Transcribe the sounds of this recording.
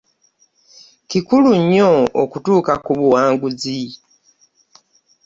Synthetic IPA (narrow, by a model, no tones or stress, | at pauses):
kikuluɲːookutuːkakuβuwaːŋɡuzi